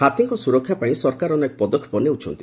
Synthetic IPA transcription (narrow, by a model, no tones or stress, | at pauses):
hat̪iŋkɔsuɾɔkʰːjapaĩsɔɾkaɾɔnekɔpɔd̪ɔkʰːjɔ̥pɔneut͡ʃʰɔnt̪i